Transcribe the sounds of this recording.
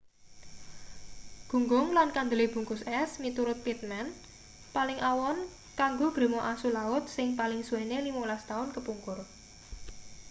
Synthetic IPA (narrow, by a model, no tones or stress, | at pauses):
ɡ̥ṳŋɡʊŋlankand̪əlib̥ṳŋkʊsɛsmit̪uɾʊt̪̚pit̪̚mɛn | palɪŋʔawɔn | kaŋɡob̥ɾe̤mɔʔasulaʊt̪̚sɪŋpalɪŋsuenelimɔŋlast̪aʊnkəpuŋkʊr